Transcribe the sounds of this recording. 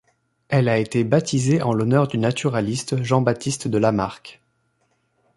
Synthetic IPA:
ɛlaet̪ebat̪izeʔɑ̃lɔnœʁd̪ynat̪ʰyʁalist̪ʒɑ̃bat̪ist̪d̪əlamaʁkʲ

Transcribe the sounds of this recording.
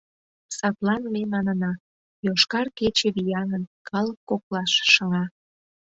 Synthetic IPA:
sɑt̪lɑnmemɑnənɑ | joʃkɑrket͡ɕeβijɑnənkʰɑləkːoklɑʃːəŋɑ

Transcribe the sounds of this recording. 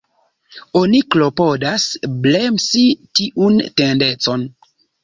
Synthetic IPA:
oniklo̞podasblemsitiʔuntendet͡so̞n

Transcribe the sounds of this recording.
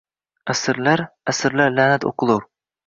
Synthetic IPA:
æsɪɾlæɾæsɪɾlæɾlæːnæt̪o̰qəlˠuɾ

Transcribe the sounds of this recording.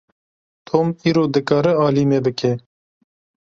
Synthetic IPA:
t̪ʰoːmiːɾoːd̪ɨkɑːɾɨɑːliːmebɨkʰɛ

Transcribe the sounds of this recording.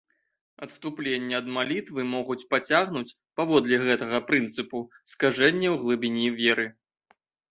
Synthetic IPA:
ɐt̪st̪uplʲenʲːɛɐd̪malʲit̪vɨmɔɣut͡sʲpat͡sʲaɣnut͡sʲ | pavɔd̪lʲɛɣɛt̪ɐɣɐpɾɨnt̪sɨpu | skaʐɛnʲːɛwɣlˠɨbʲinʲivʲeɾɨ

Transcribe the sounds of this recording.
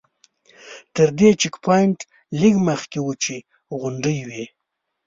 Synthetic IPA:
t̪əɾd̪et͡ʃɪkpʰɑjɪɳʈ | liɡməxkewət͡ʃe | ɣʊɳɖəjwe

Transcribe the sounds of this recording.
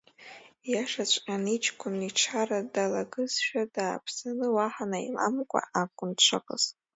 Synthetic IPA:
jaʂat͡ɕʷʼqʲʼanit͡ʃʰʼkʷʰʊniʈ͡ʂʰaradalaɡɨzʃᶣadaːpʰsanɨwaħanaḭlamkʷʼa̰ʔakʷʼʊnt͡ʃʷʰaqʼə̰z̥

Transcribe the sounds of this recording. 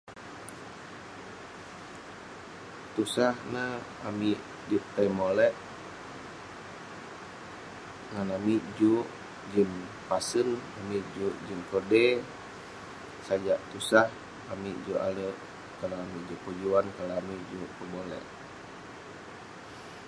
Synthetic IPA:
t̪usahna | amiʔ | dip̚t̪ajmolɛʔ | ŋanamiʔd͡ʒuʔ | d͡ʒim | pasənamiʔd͡ʒuʔd͡ʒimkɔde | sad͡ʒaʔt̪usah | amiʔd͡ʒuʔa̰ləʔ | kalaamiʔd͡ʒupəd͡ʒuankalaamiʔd͡ʒuʔpəbolɛ̰ʔ

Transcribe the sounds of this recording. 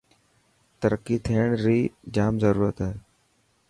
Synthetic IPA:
t̪əɾəkːit̪ʰiːəɽ̃ɾiːd͡ʒaːmzəɾuːɾət̪ɦɛe

